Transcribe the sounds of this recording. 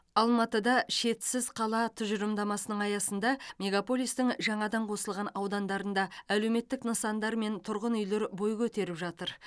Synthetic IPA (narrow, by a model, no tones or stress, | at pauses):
ɑlˠmɑt̪əd̪ɑʃe̞t̪sɪzqʰɑlˠɑt̪ʰʊʒəɾəmd̪ɑmɑsənəɴɑjɑsənd̪ɑmʲe̞ɡapo̞lʲˠijst̪ɪŋʒɑɴɑd̪ɑɴqʰo̞səlˠʁɑnɑwd̪ɑnd̪ɑɾənd̪ɑæle̞wme̞t̪ːɪknəsɑnd̪ɑɾme̞nt̪ʰʊɾʁənʏjle̞ɾbo̞jkʲʰɵt̪e̞ɾɪpʒɑt̪əɾ